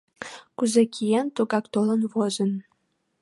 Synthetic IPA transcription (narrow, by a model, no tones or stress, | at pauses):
kuzækʲʰijant̪oɡɑkt̪olɤ̆nvozə̆n